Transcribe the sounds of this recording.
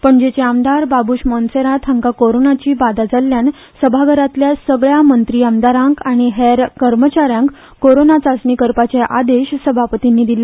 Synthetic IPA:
pəɳd͡ʑet͡ɕeamd̪aɾbabuːɕmɔnseɾat̪ʰãŋkakoɾonat͡ɕiːbad̪ad͡zaljan | səbʱaɡəɾat̪ljasəɡɭjamənt̪ɾiːamd̪aɾãŋkaɽ̃iɦeɾkəɾmət͡ɕaɾjãŋkː | koɾonat͡sasnikəɾpat͡ɕeʔad̪eɕsəbʱapət̪inːiːd̪ila

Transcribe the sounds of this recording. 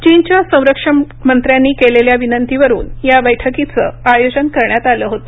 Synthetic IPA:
t͡ɕint͡ɕjasə̃w̃ɾəkʂə | mənt̪ɾjanːiːkeleljaʋinənt̪iʋəɾṵːnjabəjʈʰəkit͡sə̰ajod͡ʑənkəɾɳjat̪aləːɦot̪o

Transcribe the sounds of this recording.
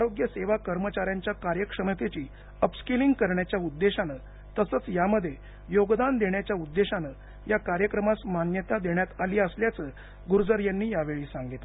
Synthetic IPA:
aɾoɡjəseʋakəɾmət͡ɕaɾjaɲt͡ɕjakaɾjəkʂəmət̪et͡ɕiː | əpskiliŋɡkəɾɳjat͡ɕjaud̪ːeɕanə | t̪əsət͡sjaməd̪ʱːje | joɡd̪and̪eɳjat͡ɕjaud̪ːeɕanəː | jakaɾjəkɾəmasmanjət̪ad̪eɳjat̪aliːəsljat͡səː | ɡuɾd͡zəɾjanːiːjaʋeɭiːsaŋɡit̪l

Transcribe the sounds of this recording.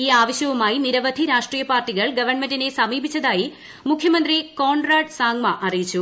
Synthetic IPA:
iːaːʋɐɕjɐʋumaːjiniɾɐʋɐd̪ʱiɾaːʂʈriːjɐpaːrʈiɣɐɭɡɐʋɐrɳmendine̞sɐmiːbʱit͡ɕːɐðaːji | mukʰjɐmɐnd̪rikoːɳɖraːɖsaːŋmɐʔɐrijit͡ɕːu

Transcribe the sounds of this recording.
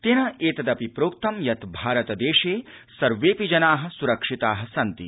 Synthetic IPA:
t̪enɐeːt̪ɐd̪ɐpipɾoːk̚t̪ɐmjɐt̪bʱaːɾɐt̪ɐd̪eːʃeːsɐɾʋeːpid͡ʒɐnaːɦɐ̆suɾɐkʂit̪aːɦɐsɐnt̪ḭ

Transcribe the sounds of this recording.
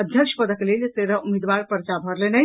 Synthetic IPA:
əd̪ʱjəkʃpəd̪əklelseɾəumed̪ʋaɾpəɾt͡ʃabʱəɾlenəj

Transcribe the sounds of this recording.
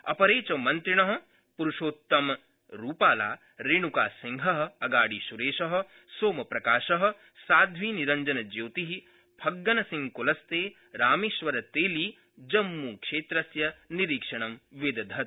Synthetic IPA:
ɐ̰pɐɾeːt͡ʃɐmɐnt̪ɾiɳɐɦɐ̆ | puɾuʃoːt̪ːɐm | ɾuːpaːla̰ː | ɾeːɳukaːsiŋɡʱɐɦɐ̆ɐɡaːɽiʃuɾeːʃɐɦɐ̆ | soːmɐpɾɐkaːʃɐɦɐ̆ | saːd̪ʱʋiːniɾɐɲd͡ʒɐnɐd͡ʒewt̪iɦi | bʰʱɐɡːɐnɐsĩŋkulɐst̪eː | ɾaːmeːʃʋɐɾɐt̪eːliː | d͡ʒɐmːuːkʂeːt̪ɾɐsjɐniɾiːkʂɐɳɐmʋed̪ɐd̪ʱɐt̪

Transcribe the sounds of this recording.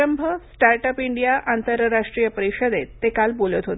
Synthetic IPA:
əmbʱəsʈaɾʈəpiɳɖijaʔant̪əɾəɾːaʂʈɾijəpəɾiɕəd̪et̪ːekalbolət̪ɦot̪

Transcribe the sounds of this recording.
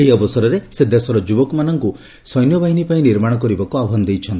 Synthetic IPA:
ɦiɔbɔsɔɾɔɾesed̪esɔɾɔd͡ʒubɔkɔmanɔŋku | sɔjnjɔbaɦinipaĩniɾmaɽ̃ɔk̬ɔɾibɔkuabʱɔnd̪ejt͡ʃʰɔnt̪i

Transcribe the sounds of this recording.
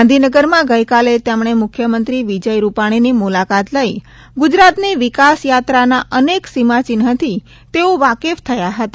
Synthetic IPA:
and̪ʱinəɡəɾmãɡəjkalet̪emɳ̃emʊkʰjəmənt̪ɾiʋid͡ʒəjɾupaɽ̃inimulakat̪ləi | ɡʊd͡ʒɾat̪niʋɪkasjat̪ɾanaʔəneksimat͡ʃinɦət̪ʰi | t̪eoʋakeft̪ʰəjaɦət̪a

